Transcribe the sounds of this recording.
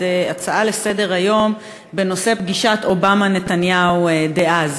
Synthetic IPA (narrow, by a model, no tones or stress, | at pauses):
eat͡saale̞se̞de̞ʁajo̞m | be̞no̞se̞pɡiʃat̪o̞bamane̞t̪anjawd̪e̞ʔaz